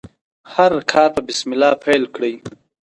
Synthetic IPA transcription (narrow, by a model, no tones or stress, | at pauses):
haɾkʰɑːɾt̪abɪsmɪlɑːpʰejlkɽəj